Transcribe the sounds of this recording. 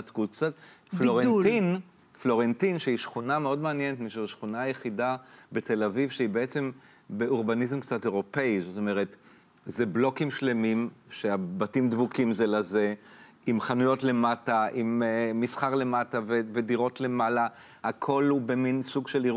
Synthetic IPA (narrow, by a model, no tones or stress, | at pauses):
tkutkt͡satfloʁein | flo̞ʁentinʃeiʃχunameo̞dmeanjɛnetmiʃuzʃχunaajeχidabete̞lavivʃeibeet͡se̞m | beuʁbanizmkt͡sate̞ʁo̞pe̞izoto̞meʁet | zeblo̞kimʃle̞mimʃeabatimdvukimzelaze̞ | imχanujo̞tle̞mataʔimːisχaʁle̞matavevediʁo̞tle̞mala | hakʰo̞lubeminsuɡʃeliʁ